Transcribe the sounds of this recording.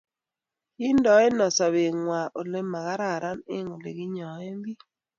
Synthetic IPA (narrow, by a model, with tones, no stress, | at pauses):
i˦ndɔ˨˦e˦nɔ˨sa˨βe˨ŋwa˨ʔo˨le˦ma˨ɣa˦ɾa˨ɾa˦nɪ̰˦ŋo˨lḛ˨ɣi˦ɲɔ˨e˦mbi˦